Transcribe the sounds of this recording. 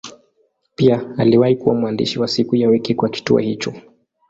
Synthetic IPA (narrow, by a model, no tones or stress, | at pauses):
piaaliwahikuwamuandḭʃiwasikujawɛkɛkwaki̥tṵɔ̰hit͡ʃɔ